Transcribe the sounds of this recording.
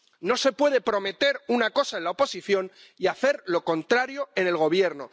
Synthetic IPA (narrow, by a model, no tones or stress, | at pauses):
no̞se̞pwe̞ð̞e̞pɾo̞me̞t̪e̞ɾunako̞saenlaopo̞siθjo̞n | iaθe̞ɾlo̞ko̞nt̪ɾaɾjo̞e̞ne̞lɣo̞β̞je̞ɾno̞